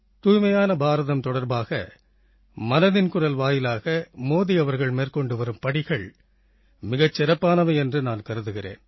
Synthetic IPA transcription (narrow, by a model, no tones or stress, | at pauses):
t̪uːjmɐjaːnɐbaːɾɐðɐmt̪ɔɽɐɾbaːɣɐ̰ | mɐnɐðɪnkʊrɐlʋaːjɪlaːɣɐmoːðiɐʋɐɾɣɐɭmeːrkɔɳɖɯʋɐɾɯmpɐɽɪɣɐɭ | mɪɣɐt͡ʃːɪɾɐpːaːnɐʋɐɛndrɯnaːnkɐɾɯðɯɣɪrḛːn